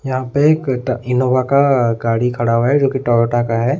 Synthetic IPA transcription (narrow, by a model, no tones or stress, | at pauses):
jɐɦãpeeːkʈɪnoːʋakaɡaːɽikʰɐɽaːɦaɦɛd͡ʒoːkiʈɔːɾoːʈakaɦɛː